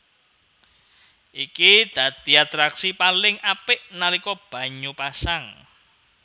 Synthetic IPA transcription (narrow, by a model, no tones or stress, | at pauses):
ʔikid̪̥ä̤d̪̥i̤at̪ɾaksipalɪŋapɪʔnalikɔb̥a̤ɲupasaŋ